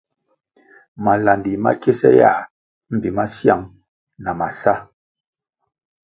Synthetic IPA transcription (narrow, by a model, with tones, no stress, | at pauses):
ma˨la˨ndi˨ma̰˦ke˦sɛ̰˦ja̰˦˨ | m̩˨bi˨ma˦sja˦ŋ | na˨ma˨sa˦